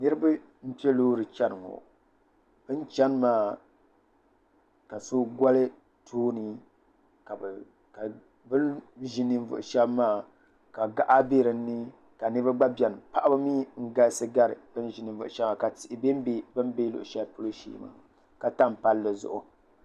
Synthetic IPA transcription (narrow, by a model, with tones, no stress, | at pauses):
nɨ˦ɾɨ˦ba˦ | m̩˦pi˦e˦lo˦ɾɨ˨t͡ʃɛ˦nɨ˨ŋo̰˨ | b̥ɨ˦n˦t͡ʃɛ˦n˦maː˦ | ka˨soː˦ɡʷa˦lɨ˦ | tʰoː˦nɨ˨ | ka˨b | ka˨ | bɨ˦lʒɪ˦nɨ˦ɱ̩˦vʊ̰˨ʔʊ˨ʃɛ˦bmaː˦ | ka˨ɡa˨ʔa˦be˦ɾɨ˨˦nɨ˦ | ka˨nɨ˦ba˦ɡ͡ba˦bjɛ˨n˨pa˦ʔa˦bɨ˦miː˦ŋ̩˦ɡa˦lsɨ˦ɡa˦ɾɨ̰˨bɨ˦n˦ʒɪ˨nɨ˨ɱ̩˨vʊ̰˨ʔʊ˨ʃɛ˦bma˨ka˨tɪ˨ʔɪ˨be˦m˦be˦bɨ˦m˦be˦lʊ̰˨ʔʊ˨ʃɛ˦lpʊ˦lo˦ʃḭː˦ma̰ː˨ | ka˨ta˦mpa˦lːɨ˨zʊ̰˨ʔʊ˨